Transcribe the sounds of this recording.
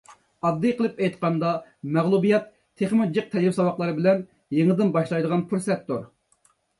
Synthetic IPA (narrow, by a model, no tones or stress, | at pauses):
ɑd̪ːɨjqʰəlˠɨpɛjt̪qɑnd̪ɑmɛʁlˠubijɛt̪ʰːeχmɨd͡ʒɨq̚t̪ʰɛɪpsɑwɑqlˠɑɾɨbɪlɛn | jeŋɨd̪ɪnbɑʃlˠɑjd̪əʁɑnpʰuɾsɛt̪ːoɾ